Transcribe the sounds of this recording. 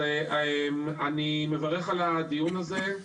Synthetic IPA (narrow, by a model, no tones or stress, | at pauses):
emanime̞vaʁeχalad̪ijunaze̞